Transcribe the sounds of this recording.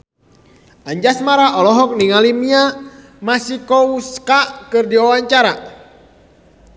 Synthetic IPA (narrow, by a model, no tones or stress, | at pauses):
aɲd͡ʒasmaɾaʔɔlɔɦɔk̚niŋalimia | masikɔuskakɨrdiɔwaɲt͡ʃaɾa